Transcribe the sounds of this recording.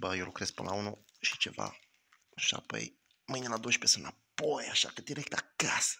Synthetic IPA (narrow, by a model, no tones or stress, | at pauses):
bəjewlukɾespɨnlaunu | ʃi̥t͡ʃe̞̰va̰ | ʃa̰po̰j | mɨjnilad̪owəʃpesɨnapojaʃa̰kəd̪iɾek̚t̪akasə̥